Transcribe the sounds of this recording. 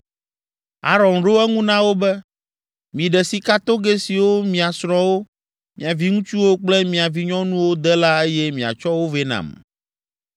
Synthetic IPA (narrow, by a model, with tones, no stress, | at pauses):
a̰˦ɾɔ̃˨nɖo˦ɛ˦ŋũ˦nã˦wo˦bɛ˦ | mĩ˨ɖɛ˨si˨ka˦t̪o˦ɡe˦si˨wo˦mĩ˨a˨sɾɔ̃˨wo˦ | mĩ˨a˨vi˦ŋũ˦t͡ʃu˦wo˦k͡plɛ˦mĩ˨a˨vi˦ɲɔ̃˦nũ˦wo˦d̪ɛ˦la˦e˦jɛ˦mĩ˨a̰˨t͡ʃɔ˦wo˦ve˦nã̰˨m